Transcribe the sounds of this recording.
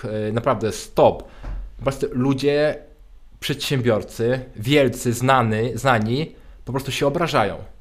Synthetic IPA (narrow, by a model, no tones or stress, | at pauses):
napɾavd̪ɛst̪ɔppɾɔst̪ɛlud͡ʑɛ | pʂɛt̪ɕɛ̃mbʲjɔɾt̪sɘvʲjɛlt̪sɘznanɘznaɲipɔpɾɔst̪uɕɛɔbɾaʐajɔ̰̃w̃